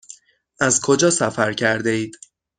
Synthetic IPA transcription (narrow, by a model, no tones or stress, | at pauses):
ʔæzkʰo̞d͡ʒɒːsæfæɾcʰæɾd̪e̞iːd̪̥